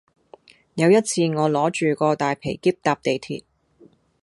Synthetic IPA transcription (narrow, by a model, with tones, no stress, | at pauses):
jɐ˨˧wjɐ˥t̚t͡sʰiː˧ŋɔː˨˧lɔː˨˥t͡ʃyː˨˩kɔː˧t̪aː˨jpʰe˨˩jkiː˥p̚t̪aː˧p̚t̪e˨jt̪ʰḭː˨˩t̚